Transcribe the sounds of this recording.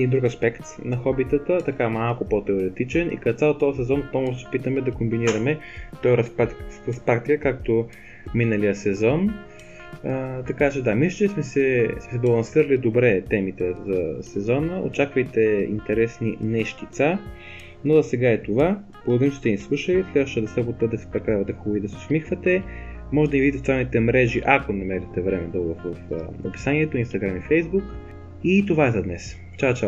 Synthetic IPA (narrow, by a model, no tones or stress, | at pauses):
id̪ɾukɐspɛkt̪nɐxɔbit̪ət̪ət̪ɐkaɛmalˠkʊpot̪ɛoɾɛt̪it͡ʃɛnḭkət̪salˠt̪ɔzəsɛzɔnpɔmoʃt̪sɛpit̪əmɛd̪ɐkombiniɾɐmɛt̪ɔjɾɐspaɾɐspɾak̚t̪ikəkak̚t̪o | minəlijəsɛzɔn | t̪ɐkat͡ʃɛd̪amislʲˠət͡ʃɛsmɛsɛsmɛsɛbɐlˠɐnsiɾəlid̪obɾɛt̪ɛmit̪ɛzɐsɛzɔnəo̰t͡ʃakvəjt̪ɛḭnt̪ɛɾɛsnḭnɛʃt̪it̪sa | nozɐsɛɡaɛt̪ova | polˠɐd̪imt͡ʃɛ̥t̪ɛnislˠuʃəlit̪kaʃɛd̪ɐsɐbot̪əd̪ɛsp̪ɐkavət̪əxolid̪ɐsɛosmixvət̪ɛ | mɔʒɛd̪nivit̪ɛst̪anit̪ɛmɾɛʒiʔakonɐmɛɾʲit̪ɛvɾɛmɛd̪ɔvəvɐfo̰pi̥saniɛt̪oinst̪ɐɡɾamifɛjzbuk | it̪ovaɛzɐd̪nɛs | t͡ʃat͡ʃa